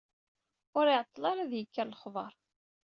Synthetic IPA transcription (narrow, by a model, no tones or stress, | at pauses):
ʊɾɪʕt̪ˤːlɑɾæðjəkːæɾləχvˤɑɾˤ